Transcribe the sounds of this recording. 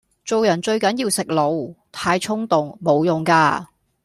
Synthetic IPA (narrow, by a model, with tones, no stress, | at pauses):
t͡so˨wjɐ˨˩nt͡ʃɵ˧ɥkɐ˨˥njiː˧wsɪ˨k̚lo˨˧wt̪ʰaː˧jt͡ʃʰʊ˥ŋt̪ʊ˨ŋmo˨˧wjʊ˨ŋkaː˧